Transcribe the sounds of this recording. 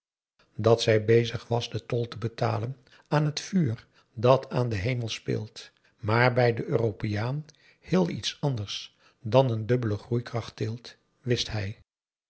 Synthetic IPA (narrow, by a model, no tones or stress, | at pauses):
dɑtsɛjbejzəχʋɑzdətɔlˠtəbəta̰ːlən | aːnɦətfyːr | dɑtʰaːndəɦejməlˠspɪ̰ːlˠt | maːɹbɛjdəʔøːrowpejaːn | hɪːlˠḭtsɑndəɹs | dɑnəndɵbələχrujkrɑχt̚ɪlˠt | ʋɪsthɛj